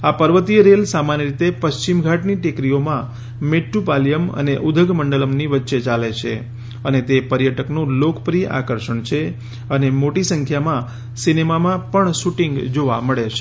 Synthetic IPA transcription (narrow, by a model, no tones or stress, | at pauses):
apəɾʋət̪ijəɾelsamanjəɾit̪epəʃt͡ʃimɡʱaʈniʈikɾiomã | meʈːupalijəmə̰neʔud̪ʱəɡməɳɖələmniʋətːʃet͡ʃalet͡ʃʰḛ | ənet̪epəɾjəʈəknũlokpɾijʔa̰kəɾʃəɳt͡ʃʰe | ənemoʈisəŋkʰjamã | sinemamãpəɳʃuʈĩŋɡd͡ʒoʋa̰məɭet͡ʃʰe̥